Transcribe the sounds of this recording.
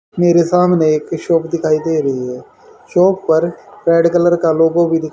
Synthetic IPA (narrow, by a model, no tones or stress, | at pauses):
meːɾesaːmneeːkʃɔːpd̪ɪkʰaːid̪eːɾəɦiɦɛː | ʃɔːp̚pəɾpɾɛːɖkələɾkaloːɡõbʱid̪ɪ